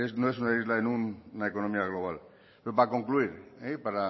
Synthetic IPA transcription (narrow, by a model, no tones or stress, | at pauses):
esnoes̬unaizlaenunːaeko̞nõmiaɣ̞lo̞β̞al | peɾopako̞ŋkluiɾepaɾa